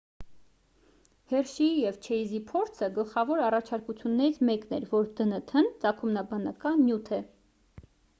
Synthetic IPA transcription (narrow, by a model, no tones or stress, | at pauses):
hɛrʃijɛvt͡ʃʰɛizipʰɔɾt͡sʰəɡəlχɑvɔɾɑrɑt͡ʃʰɑɾkut͡sʰjunːɛɾit͡sʰmɛknɛɾvɔɾd̪ənət̪ʰənt͡sɑkʰumnɑbɑnɑkɑnːjut̪ʰɛ